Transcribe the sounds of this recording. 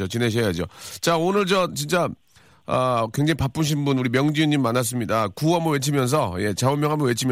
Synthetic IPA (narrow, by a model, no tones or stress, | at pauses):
ot͡ɕineɕ̬ʰejad͡ʑot͡ɕaonɯɭt͡ɕʌt͡ɕint͡ɕ͈a | ʌkwe̞ŋd͡ʑaŋipap͈umɕ̬ʰinbunuɾimjʌŋd͡ʑiɯnːimːanas̬͈ɯmɲidakuamʌwe̞t͡ɕʰimjʌns̬ʰʌje̞t͡ɕaomjʌŋɦamjʌnwet͡ɕʰimj